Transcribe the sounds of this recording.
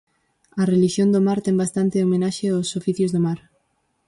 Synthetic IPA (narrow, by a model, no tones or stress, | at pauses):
ɐreliʃjond̪omaɾt̪ɛŋbast̪ant̪ɪomẽnaʃeosofiθjʊzðomaɾ